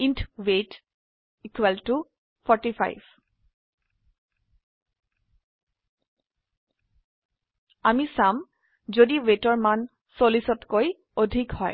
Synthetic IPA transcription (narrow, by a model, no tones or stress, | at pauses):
intʰwet | ikwɛltu | pʰɔɹtipʰa̰jb | amisam | zodiwetɔɹman | solisɔtkoj | odʱikhɔj